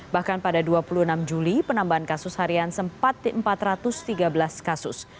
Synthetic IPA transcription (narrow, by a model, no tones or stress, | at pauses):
bahkanpadaduapuluənamd͡ʒulipənambaɦankasʊshaɾiansəmpat̪ːəmpat̪rat̪ʊst̪iɡabəlaskasʊs